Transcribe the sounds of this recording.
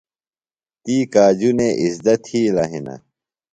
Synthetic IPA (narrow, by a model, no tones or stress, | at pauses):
t̪iːkaːd͡ʑuneʔisd̪ɐt̪ʰhiːlaɦinɐ̰